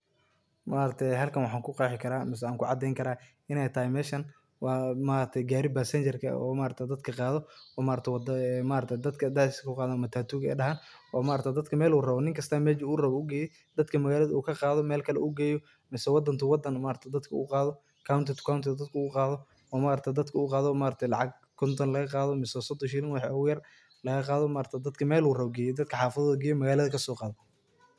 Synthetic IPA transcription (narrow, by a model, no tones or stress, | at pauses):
maːɾɐt̪ʰɛjɦɐlkʰɐnwɑħaːŋkʰʊqɑːħɪkʰɐɾaːmɪs̬ɛaːŋkʰʊʕɑd̪ɛjŋkʰɐɾaː | ɪnɛjt̪ʰɐhɪmɛːʃɐn | wɑːmaːɾɐt̪ʰɛjɡaːɾɪbasɛnɲt͡ʃɛrkʰɐ̰ɔ̰ːmaːɾɐt̪ʰɛd̪ɐd̪kʰɐqɑːðɔɔːmaːɾɐt̪ʰwd̪maːɾɐt̪ʰɛd̪ɐd̪kʰɐd̪aɪskʰɐkʰʊqɑːðɐɐmɐt̪ʰaːt̪ʰuːɣɛ̰ːɖɐɦaːnɔːmaːɾɐt̪ʰɛd̪ɐd̪kʰɐmɛːluːrɐβɔnɪŋkʰɐst̪ʰɐmɛːt͡ʃiuːrɐβɔuɡɛːjɛj | d̪ɐd̪kʰɐmɐɣaːlɐðɐuːkʰɐqɑːðɔmɛːlkʰɐlɛ̰ʔuɡɛːjɔ | mɪsɛwɑd̪ɐnt̪ʰɐwɑd̪ɐnmaːɾɐt̪ʰɛd̪ɐd̪kʰɐṵqɑːðɔ | kʰawnt̪ʰɪt̪ʰkʰawnt̪ʰɪd̪ɐd̪̚kʰɐuːqɑːðɔ | ɔːmaːɾɐt̪ʰɛd̪ɐd̪kʰɐuqɑːðɔmaːɾɐt̪ʰɛjlɑʕɑɡ̚ | kʰɔnt̪ʰɐnlɐɣɐqɑːðɔmɪsɛsɔd̪ɔʃɪlɪnwɑħɛːʊjɐr | lɐɣɐqɑːðɔmaːɾt̪ʰɐd̪ɐd̪kʰɐmɛːluːrɐβɔɡɛːjɛd̪ɐd̪kʰɐħɑːfɐðɐðɐɡɛːjɛmɐɣaːlɐðɐkʰɐsɔːqɑːðɔ